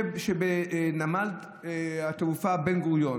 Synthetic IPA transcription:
ebʃebenamald̪ | hat̪eufabenɡuʁjo

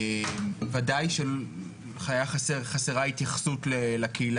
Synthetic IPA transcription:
emvadajʃe | χajaχaseχaseʁahit̪jaχsut̪lelakʰeil

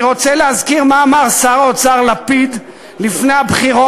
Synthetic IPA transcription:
ʁot͡selehazkiʁmaːmaʁsaʁot͡saʁlapid̪ | lifnejabχiʁo

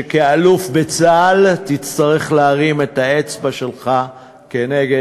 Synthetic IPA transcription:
kealufbet͡saltit͡st̪aʁe̞χleaʁime̞taet͡sbaʃe̞lχa | keneɡe

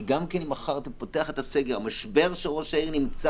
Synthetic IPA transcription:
ɡamkenimaχaʁt̪epoteaχet̪aseɡeʁamaʃbe̞ʁʃeʁo̞ʃaiʁnimt͡sa

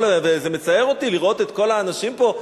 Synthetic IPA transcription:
lvezeme̞t͡sajeʁo̞t̪iliʁo̞t̪et̪ko̞laːnaʃimpo̞

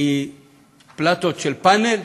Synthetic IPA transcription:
i | plat̪ot͡ʃelpanel

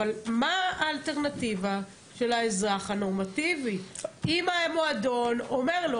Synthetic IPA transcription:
almaaːlteʁnativa | ʃe̞laezʁaχano̞ʁmativiimaemoadonomeʁlo

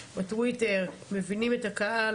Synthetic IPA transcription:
batwiteʁme̞vinime̞takaʔa

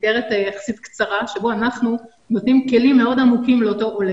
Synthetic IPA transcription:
eʁetajaχḁsitkt͡saʁaʃeboanaχnu | notnimke̞limːe̞o̞damukimleoto̞ʔole

